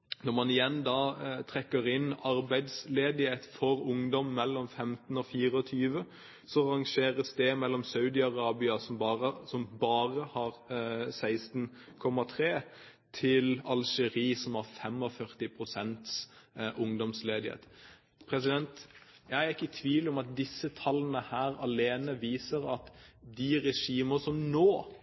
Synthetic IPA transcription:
nɔʁmɑnɪjɛnːd̪ɑːt̪ʰɾɛkːəɾɪnɑɾbæɪd̪sleːd̪ɪheːt̪fɔɾʊŋd̪ɔmːɛlːɔmfɛmt̪ənɔfiːʁəɔt̪ʰyːʋə | sɔʁɑŋʃeːɾəsd̪ɛmɛlːɔmsɑʉd̪ɪɑʁɑːbɪɑsɔmbɑəsɔmbɑːʁəhɑʁsæɪst̪n | kʰɔmːɑt̪ʰʁeː | t̪ʰɪlɑlʃɛɾiːsɔmɑɾfɛmɔfœɾt̪ɪpʰɾʊsɛnt̪sʔʊŋd̪ɔmsleːd̪ɪhḛːt̪ | pʰɾɛs̬ɪd̪ɛnt̪ | jæɪæɾɪkːət̪ʰʋiːlɔmɑt̪̚d̪ɪsːət̪ʰɑlːənəhæːɾɑleːnəʋiːsəɾɑt̪d̪ɪɾɛʂiːməsɔmnoː

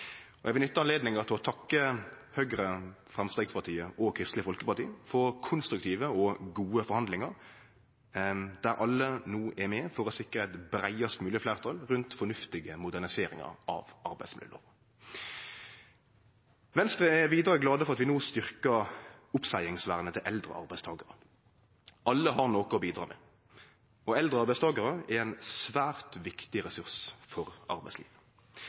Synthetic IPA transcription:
ɔʔɛɡʋlʏt̪ːəɑnleːd̪nɪŋəʁt̪ʰɪlɔt̪ʰɑkːəhœɡɾə | fʁɑmst̪eːɡspɑʁt̪ʰiːəɔkʰɾɪst̪lɪəfɔlkəpɑʁt̪ḭːəfɔʁkʰʊnst̪ɾʉkt̪ʰiːʋəɔɡuːəfɔɾhɑnd̪lɪŋɑɾ | d̪æɾʔɑlːənuːʔɛmɛːfɔɾɔsɪkɾəæɪt̪bɾæɪɑst̪mʉːlɪəflæːʁt̪ʰɑlʁʉnt̪fɔnʉft̪ɪɡəmʊd̪æʁnɪseːɾɪ̰ŋɑ̰ʁɑ̰ʋʔɑɾbæɪsmɪ̰ld̪ə̰lə̰ʁə | ʋɛnst̪ʁəɛʋiːd̪ʁɾəɡlɑːd̪əfɔʁɑt̪ʋɪnoːst̪ʏʁkəʊpsæɪɪŋsʋæʁnət̪ʰɪlʔɛld̪ʁə̰ʔɑ̰ʁbæɪst̪ʰɑːɡəɾə | ʔɑlːəɦɑʁnoːkəɔbiːd̪ɾɑ̰ːmɛ̰ | ɔɛld̪ʁəɑʁbæɪst̪ɑːɡəʁəɛɾɛnsʋæːʁt̪ʋɪkt̪ɪʁɛsʉʁsfɔʁɑ̰ɾbæ̰ɪslḭːʋə

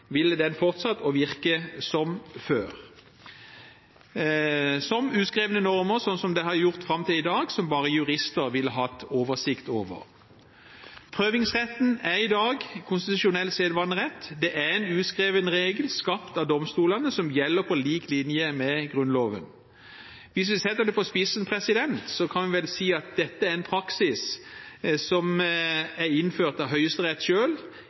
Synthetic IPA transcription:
ʋɪləd̪ɛnfɔʁt̪sɑt̪ːɔʋɪʁkəsɔmføːʁ | sɔmʉːskʁeːʋənənɔʁməʁsɔnsɔmd̪ɛhɑɾjʊʁt̪fʁɑmt̪ʰɪlɪd̪ɑːɡsɔmbɑːʁəjʉʁɪst̪əʁʋɪlːəɦɑt̪ːoːʋəʁsɪkt̪oːʋə̰ʁ | pʰʁøːʋɪŋsʁɛt̪ːnæʁɪd̪ɑːɡkʰʊnst̪ɪt̪ʉʃʊnɛlːseːd̪ʋɑnəʁɛt̪ːd̪ɛʔæɛnʉːt̪skʁeːʋənəʁeːɡəlskɑpt̪ɑd̪ɔmst̪uːlɑnəsɔmjɛlːəpʰɔliːklɪnjəmɛɡʁʉnloːʋən | ʋɪs̬ʋɪsɛt̪ːəd̪ɛpɔspɪsənpʰʁɛsɪd̪ɛnt̪sɔkʰɑnʋɪʋɛlsiːɑt̪̚d̪ɛt̪ːəæʁɛnpʰɾɑksɪs | sɔm | æɾɪnføːʁt̪ɑʋɦœʏəst̪əʁɛt̪ːʃøːl

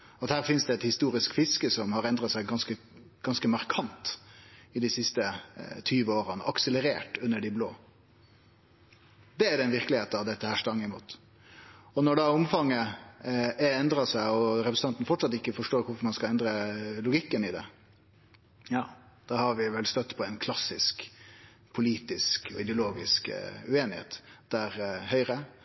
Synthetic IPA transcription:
ɔɑt̪hæːʁɾfɪnsd̪ɛɛt̪hɪst̪uːɾɪskfɪskəsɔmhɑɾɛnd̪ɾɑt̪sæɪɡɑnskə | ɡ̥ɑnskəmɑɾkʰɑnt̪ɪd̪ɪsɪst̪ət̪ʰyːʋəoːɾənə̰ʔɑksələɾeːʈʉnːəɖɪblo̰ː | d̪ɛæd̪ɛɛnʋɪʁkəlɪheːt̪ɑʋd̪ɛt̪ːəhæːʂʈɾɑŋːɪmuːt̪ | ɔnɔɖɑʊmfɑŋːə | ɛnd̪ɾɑsæɪɔɾɛpɾəsn̩ɑnt̪n̩fɔʈʂsɑt̪ːɪkːəfɔʂʈoːɾkʊfɔɾmɑnskɑɛnd̪ɾəlʊɡɪkːənɪd̪ɛ̰ | jɑː | d̪̥ɑhɑɾʋɪʋɛlst̪œt̪ːpʰɔɛɪnkʰlɑsɪsk | pʰʊliːt̪ɪskʰɔ̰ɪd̪ɛʊloːɡɪskʉeːnɪhḛːt̪d̪̥æɾhœʏɾə

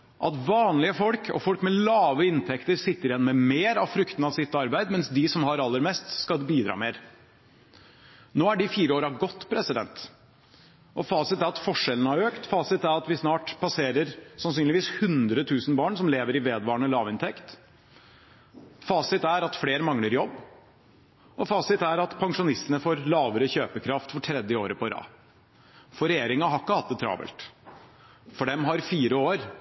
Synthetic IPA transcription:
ʔɑt̪ʋɑːnlɪəfɔlkʰɔ̰fɔlkmɛlɑːʋəɪnt̪ʰɛkt̪əɾsɪt̪ːəɾɪjɛnːmɛmeːɾɑʋfɾʏkt̪n̩ɑʋsɪt̪ːɑɾbæɪd̪mɛnsd̪ɪsɔmhɑɾɑlːəɾmɛst̪skɑlbiːd̪ɾɑ̰ːmeːɾ | noːæɖɪfiːɾəoːɾɑɡɔt̪ːpʰɾɛsɪd̪ɛ̰nt̪ | ʔɔfɑːsɪt̪æɾɑt̪fɔʂɛlən̩əæɾøːkt̪fɑːsɪt̪æɾɑt̪ʋɪsnɑːʈpʰɑseːɾəɾsɑnsyːnlɪʋiːshʉnd̪ɾət̪ʰʉːsn̩bɑːɳsɔmleːʋəɾɪʋeːd̪ʋɑːɳəlɑːʋɪnt̪ʰɛkt̪ | fɑːsɪt̪æɾɑt̪fleːɾmɑŋləɾjɔbː | ʔɔfɑːsɪt̪æɾɑt̪pʰɑŋʂʊnɪst̪ənəfoːɾlɑːʋəɾəçøːpəkʰɾɑft̪fɔʈʰɾɛd̪jəoːɾəpʰɔɾɑ̰ː | fɔɾɛjeːɾɪŋɑɦɑkːəhɑt̪̚ːət̪ʰɾɑ̰ːbɛ̰lt̪ | fɔɖɛmɦɑɾfiːɾəoːɾ

